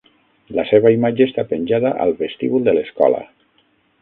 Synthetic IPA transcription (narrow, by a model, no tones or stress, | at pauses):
ləseβaimad͡ʒeest̪apənʲʒaðaʔə̰lˠβest̪iβulˠd̪ələskɔ̰lə̰